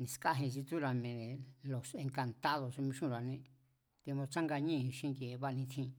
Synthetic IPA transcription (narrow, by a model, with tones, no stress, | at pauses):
nĩ˧ska˦ɦĩ˧t͡ʃi˧t̪u˦ɾa˧mẽ˧ðẽ˨lo˨sẽ˧ŋka˧nt̪a˦ðo˧smĩ˧ʃũ˦˨ɾa˨nĩ˧ | t̪e˧mõ˧t͡ʃa˦ŋɡa˧ɲĩ˦˧ʃĩ˦ŋɡe˨˧βa˦˧nĩ˧t̪ʰĩ˦˧